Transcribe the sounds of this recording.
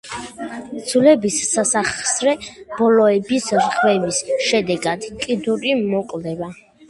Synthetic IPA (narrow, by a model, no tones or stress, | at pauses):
d̪z̥lɛbisːasaχsɾɛb̥ɔlɔɛbisɾʁwɛvisʃɛd̪ɛɡad̪kʼid̪uɾimɔkʼvd̪ɛba